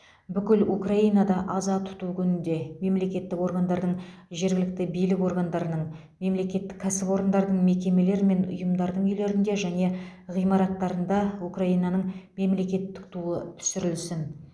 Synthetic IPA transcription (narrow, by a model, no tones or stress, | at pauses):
bʏkʲɪlukraijnɑd̪ɑʔɑzɑt̪ʰʊ̥t̪ukʲʰʏnɪnd̪e̞me̞mle̞kʲe̞t̪ːɪko̞ɾɡand̪ɑɾd̪əɴʒe̞ɾɡʲɪlɪk̚t̪ɪbijlɪko̞ɾɡand̪ɑɾənəɴ | me̞mle̞kʲe̞t̪ːɪ̥kʲʰːæsɪpo̞ɾənd̪ɑɾd̪əɴme̞kʲe̞me̞le̞ɾme̞nʊ̰jəmd̪ɑɾd̪əɴʏjle̞ɾɪnd̪e̞ʒæne̞ʁijmɑɾɑt̪ːɑɾənd̪ɑukraijnɑnəɴme̞mle̞kʲe̞t̪ːɪk̚t̪ʰuət̪ʰʏ̥sʏɾɪlsɪn